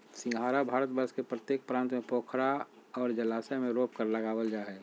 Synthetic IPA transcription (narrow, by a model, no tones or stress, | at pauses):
sɪ̃ŋɡɦaːɾabʱaːɾət̪̚bəskepɾət̪jeːk̚pɾãːnt̪mẽpoːkʰɾa | ɔːɾd͡ʒəlaːsemẽɾoːp̚kəɾləɡaːwəld͡ʒaːɦɛ